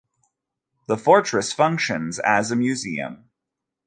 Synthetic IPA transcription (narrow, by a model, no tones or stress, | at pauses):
ðəfɔɹt͡ʃɹ̥ɨsfʌ̃ŋkʃɨ̃nzɨzɨmjʉziɨ̰̃m